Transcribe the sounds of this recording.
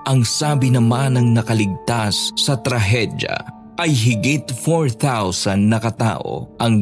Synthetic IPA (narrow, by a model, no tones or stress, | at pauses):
ʔɐŋsaːbɪnɐmanɐŋnɐkɐlɪɡ̚t̪asːɐt̪ɾɐɦɛd̪jɐ̰ | ʔɐjɦɪɡit̪foɹθawsɐnd̪nːɐkɐt̪a̰ːʔo̞̰ʔɐŋ